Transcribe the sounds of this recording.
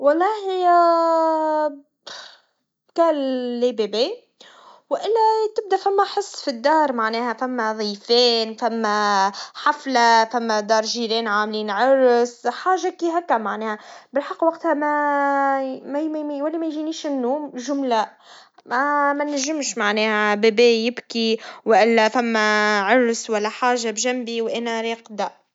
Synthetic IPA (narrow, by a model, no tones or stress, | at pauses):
wɑlˤːɑːhɪjːæ | kæːlːibebeː | wʔɪlːæt̪ɪb̚d̪æfæmːæħɪsˤːfid̪ːɑːɾˤmaʕnɛːhæfæmːæðˤiːfɛːnfæmːæħaflafæmːæd̪ɑːɾˤʒiɾɛːnʕaːmliːnʕɑɾsħaːʒakiɦækːæmaʕnɛːhæbɪlħɑqːwɑq̚t̪hæmæ | mwælːimæjʒiniːʃɪnːuːmʒʊmlæ | mæmænːæʒːɪmʃmaʕnɛːhæbæbɛːjɪbkiwʔɪlːæfæmːæʕʊɾˤswælːæħaːʒabʒæmbiwʔænæɾiːqd̪æ